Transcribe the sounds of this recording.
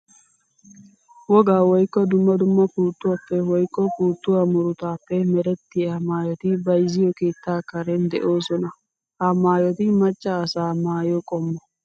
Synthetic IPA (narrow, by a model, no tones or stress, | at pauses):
wɔɡaːwɔjkːɔd̪ʊmːɐd̪ʊmːɐpuːt̪ːʊwapːɛwɔjkːɔpuːt̪ːʊwamʊɾʊt̪aːpːɛmɛɾɛt̪ːɪjɐmaːjɔt̪ɪbɐjzɪjɔke̞ːt̪ːaːkɐɾɛnd̪ɛ̰ʔoːsɔnɐ | hɐmaːjɔt̪ɪmɐt͡ʃʼːɐːsaːmaːjɔkʼɔmːɔ